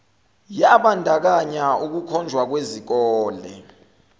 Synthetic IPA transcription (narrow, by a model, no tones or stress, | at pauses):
jaɓandʱak̬aɲauk̬ukʰɔnd͡ʒʱwak̬wezik̬ɔːlɛ̰